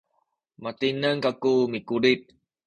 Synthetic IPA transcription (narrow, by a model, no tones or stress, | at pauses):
mat̪inəŋkakumikuɾit̪̚